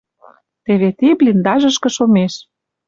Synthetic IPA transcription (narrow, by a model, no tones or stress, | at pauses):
t̪eβet̪iblʲind̪ɑʒə̆ʃkɤ̆ʃomeʃ